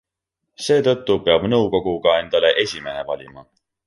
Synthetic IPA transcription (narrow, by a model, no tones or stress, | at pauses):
se̞ːt̪ɤ̞t̪ːupe̞ɑbnɤwko̞ɡ̥uɡ̥ɑe̞nd̪̥ɑle̞ʔe̞sʲime̞ɦe̞vɑlʲimɑ